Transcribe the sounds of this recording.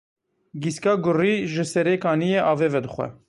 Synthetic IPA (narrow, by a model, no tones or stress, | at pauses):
ɡiskɑːɡʊriʒəsɛɾekɑːnijeʔɑːveːvɛd̪əχʷɛ̰